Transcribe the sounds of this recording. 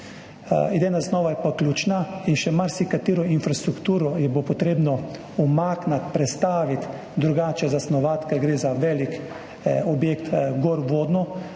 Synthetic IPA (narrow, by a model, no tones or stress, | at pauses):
id̪eːnasznɔːʋajɛpaklʲjuːt͡ʃnainʃɛmaɾsikat̪iːɾɔinfɾast̪ɾukt̪uːɾɔjɛbopɔt̪ɾeːbnɔ | ɔmaːknat̪pɾɛt̪st̪aːʋit̪ | d̪ɾuɡaːt͡ʃɛzasnɔʋat̪kaɡɾeːzaʋɛlik | ɔbjeːkt̪ɡoɾʋoːd̪nɔ